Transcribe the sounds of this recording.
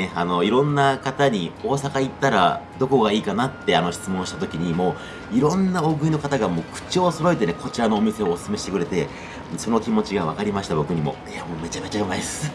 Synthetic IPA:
eano̞iɾõ̞nːakat̪aɲ̟io̞ːsakait̪ːaɾa̰d̪o̞ko̞ɡaiːkanat̪ːe̞ano̞çi̥t͡sɨmõ̞ɰ̃ɕi̥t̪at̪o̞kʲiɲ̟imo̞ː | iɾõ̞nːao̞ɡɯ̟ino̞kat̪aɡamo̞ːkɯ̟̥t͡ɕioso̞ɾo̞it̪e̞neko̞t͡ɕiɾano̞ːmʲise̞oːsɨ̥sɨme̞ɕi̥t̪e̞kɯ̟ɾe̞t̪e̞ | so̞no̞kʲimo̞t͡ɕiɡaβakaɾʲimaɕi̥t̪abo̞kɯ̟ɲ̟imo̞̰eamo̞ːme̞t͡ɕame̞t͡ɕabɯmaid̪sɨ̥

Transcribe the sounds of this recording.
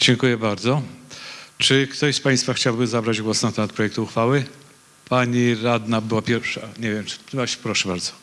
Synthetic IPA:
d͡ʑɛŋkujɛbaɾd̪zɔ | t͡ʂɘkt̪ɔɕspaj̃st̪faxt͡ɕawbɘzabɾad͡ʑɡwɔsnat̪ɛmat̪̚pɾɔjɛk̚t̪uːxfawɘ | paɲiɾad̪nabɘwapʲjɛɾfʂaɲɛvʲjɛm̥baɕpɾɔʂɛbaɾd̪zɔ̥

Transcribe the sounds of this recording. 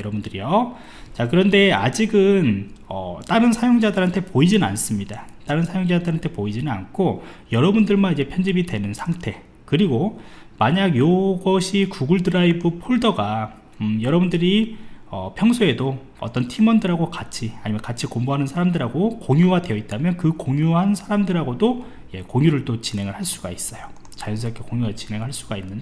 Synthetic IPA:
ʌɾʌbundɯɾijo | t͡ɕakɯɾʌnde̞a̰d͡ʑiɡɯnʌ̰t͈aɾɯnsʰajoŋd͡ʑadɯɾɦantʰepoid͡ʑinɯna̰ns͈ɯmɲidat͈aɾɯnsʰajoŋd͡ʑandɯɦantʰe̞poid͡ʑinɯna̰nkʰojʌɾʌbundɯɭmanid͡ʑe̞pʰjʌnd͡ʑibidwe̞nɯnsʰaŋtʰe̞ | kɯɾiɡo | maɲaɡjoɡʌɕʰikuɡuɭdɯɾaibɯpʰoɭdʌɡa | jʌɾʌbundɯɾiʌpʰjʌŋsʰoe̞do | ʌ̰t͈ʌntʰimʌndɯɾaɡokat͡ɕʰiaɲimʌnkat͡ɕʰikomboɦanɯnsʰaɾamdɯɾɦaɡokoŋjuɡadwe̞ʌit̚t͈amjʌnkɯkoŋjuɦansʰaɾamdɯɾɦaɡodo | je̞koŋjuɾɯɭt͈ot͡ɕine̞ŋɯɭhaɭs͈uɡais͈ʌjo | t͡ɕajʌnsʰʌʌkʰekoŋjuɡat͡ɕine̞ŋɭɦaɭs͈uɡainːɯn

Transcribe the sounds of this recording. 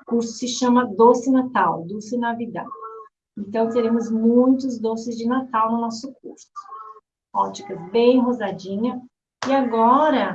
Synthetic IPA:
kuɾsʊ̥sɪʃɐ̃mɐd̪osɪnat̪awd̪osɪnavid̪ã̰ | ẽnt̪ɐ̃w̃t̪eɾẽmʊzmũj̃t̪ʊzd̪osɪzd͡ʒɪnat̪awnʊnɔsʊk̚uɾsʊ̥ | ɔt͡ʃikɐzbẽj̃ɦozad͡ʒĩɲɐ | ɪaɡɔɾɐ

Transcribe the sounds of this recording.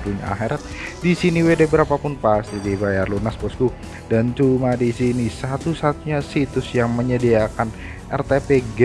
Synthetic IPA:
buɲa̰a̰ɦeɾat̪̚disiniwedabəɾapapʊnpast̪idibajarlunaspɔsku | dant͡ʃumadisinisat̪usat̪uɲasit̪ʊsjaŋməɲədiakan | ʔɛrt̪epeɡ

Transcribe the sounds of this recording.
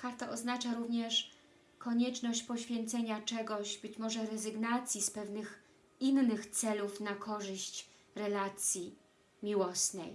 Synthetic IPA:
kaɾt̪aʔɔznat͡ʂaɾuvɲɛʂ | kɔɲɛt͡ʂnɔɕt͡ɕpɔɕfʲjɛnt̪sɛɲat͡ʂɛɡɔʑbɘt͡ɕmɔʐɛɾɛzɘɡnat̪sʲjispɛvnɘx | inːɘxt̪sɛlufnakʰɔʐɘɕt͡ɕ | ɾɛlat̪sʲji | mʲiwɔsnɛj

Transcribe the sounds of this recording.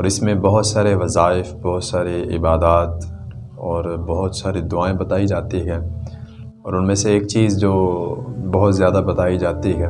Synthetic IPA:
ɔːɾɪsmẽbɐɦʊt̪saːɾeʋɐzaːɪfbɔɦʊt̪saːɾeɪ̰baːd̪aːt̪ | ɔːɾbɐɦʊt̪saːɾid̪ʊaːẽbɐt̪aːid͡ʒaːt̪iɦɛː | ɔːɾʊnmẽseːk̚t͡ʃiːzd͡ʒoːbɐɦʊt̪zjaːd̪abɐt̪aːid͡ʒaːt̪iɦɛː

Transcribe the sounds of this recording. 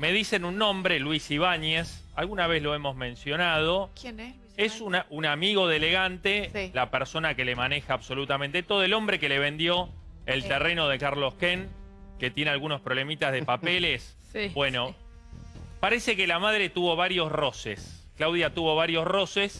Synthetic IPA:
me̞ð̞ise̞nunːõmbɾelwisiβaɲes | alɣunaβ̞e̞zlo̞emo̞zmẽ̞nsjo̞nað̞o̞kn | esunaunamiɣo̞ðeleɣant̪elapeɾso̞nake̞lemanexaːβso̞lut̪amẽnt̪et̪oðoelo̞mbɾe̞keleβ̞ẽ̞nd̪jo̞ | elt̪ereno̞ð̞ekaɾlo̞skeŋ | ket̪jenealɣuno̞spɾo̞βle̞mit̪azðepapeles | bwe̞no̞ | paɾesekelamað̞ɾet̪uβo̞βaɾjo̞sro̞sḛsklawðjat̪uβo̞β̞aɾjo̞sro̞ses

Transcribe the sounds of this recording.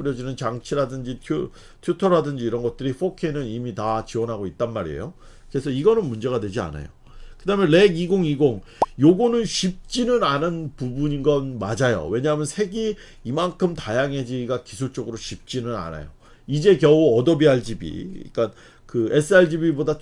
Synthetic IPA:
ɯɾjʌd͡ʑinɯnt͡ɕaŋt͡ɕʰiɾadɯnd͡ʑitʰju | tʰjutʰʌɾadɯnd͡ʑiːɾʌnɡʌt̚t͈ɯɾiɸʰokʰenɯnimitat͡ɕiwʌnɦaɡoit̚t͈anmaɾiḛjo | kɯɾe̞sʰʌiɡʌnɯnmund͡ʑe̞ɣadwe̞d͡ʑia̰na̰jo̰ | kɯdamjʌnle̞ɡiɡoŋiɡoŋ | joɡonɯnɕʰip̚t͡ɕ͈inɯnanɯnpubuɲinɡʌnmad͡ʑajo̰we̞ɲaɦmjʌnsʰe̞ɡi | imankʰɯmtajaŋe̞d͡ʑiɡakisʰuɭt͡ɕ͈oɡɯɾoɕʰip̚t͡ɕ͈inɯna̰na̰jo̰ | id͡ʑe̞kjʌuʌdʌbiaɭd͡ʑibḭḭk͈an | kɯe̞sʰɯaɭd͡ʑibiboda

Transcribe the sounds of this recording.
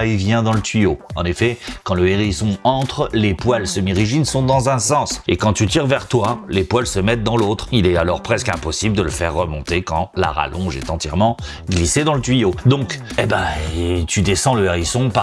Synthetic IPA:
ivjɛ̃d̪ɑ̃lət̪ɥijoɑ̰̃nefɛkɑ̃ləeʁisɔ̃ɑ̃t̪χlepwalsəmiʁiʒinsɔ̃d̪ɑ̃zɛ̃sɑ̃sekɑ̃t̪yt̪iʁvɛʁt̪walepwalsəmɛt̪̚d̪ɑ̃lot̪χilɛalɔʁpχɛskɛ̃pɔsibləd̪ələfɛʁːəmɔ̃t̪ekɑ̃la̰ʁa̰lʔɔ̰̃ʒɛ̰t̪ɑ̃t̪jɛʁmɑ̃ | ɡlised̪ɑ̃lət̪ɥijod̪ɔ̃kɛbat̪yd̪esɑ̃ləeʁisɔ̃pa

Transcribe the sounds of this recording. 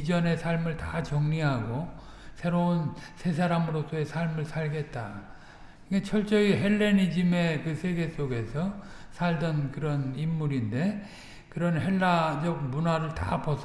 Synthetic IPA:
id͡ʑʌne̞sʰaɭmɯɭtat͡ɕʌŋɲiɦaɡo | sʰe̞ɾounsʰe̞s̬ʰaɾamɯɾos͈ʰʌesʰaɭmɯɭsʰaɭɡe̞t̚t͈a | kat͡ɕʰʌɭt͡ɕ͈ʌiɦe̞ɭːenid͡ʑime̞kɯsʰe̞ɡe̞s͈oɡe̞sʰʌ | sʰaɭdʌnkɯɾʌnimːuɾinde̞ | kɯɾʌnɦe̞ɭːad͡ʑʌɡ̚munaɾɯɭta̰pʌsʰ

